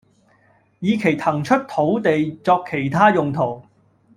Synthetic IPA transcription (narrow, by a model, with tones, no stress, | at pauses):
jiː˨˧kʰe˨˩jt̪ʰɐ˨˩ŋt͡ʃʰɵ˥t̚t̪ʰo˨˥wt̪e˨jt͡sɔː˧kʰːe˨˩jt̪ʰaː˥jʊ˨ŋt̪ʰo˨˩w